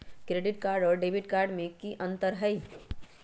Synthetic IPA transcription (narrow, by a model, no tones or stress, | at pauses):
kɾeːɖɪʈkaːɾɖɔːɾɖeːʋɪʈkaːɾɖmẽkiʔɐ̃nt̪əɾɦɐi